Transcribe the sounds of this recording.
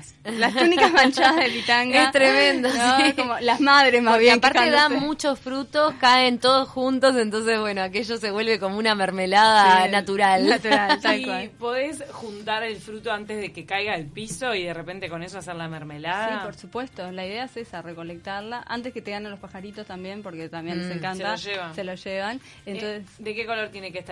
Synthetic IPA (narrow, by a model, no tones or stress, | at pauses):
lasunikasmant͡ʃaðaðepit̪aŋɡaest̪ɾemẽnd̪akomolamaðɾesmaβjeaŋpaɾt̪eðamːut͡ʃo̞sfɾut̪o̞skaent̪o̞ðosxunt̪o̞s̬e̞nt̪o̞ns̬e̞zβwe̞noakeʒose̞βwe̞lβe̞ko̞mounameɾmelaðanat̪uɾalat̪uɾallwalpweðesxunt̪aɾelfɾut̪o̞ant̪ezðe̞kekajɣaelpiso̞iðerepe̞nt̪eko̞nesoaseɾlameɾmelasðipoɾsupwe̞st̪o̞laiðeasesareko̞lek̚t̪aɾlaʔa̰nt̪e̞sket̪eɣananlospaxaɾit̪o̞st̪ambje̞mpo̞ɾket̪ambjenlsseŋkant̪aoʒeβaselosʒeβan | ent̪onsesd̪ekeko̞lo̞ɾt̪jenekeht̪a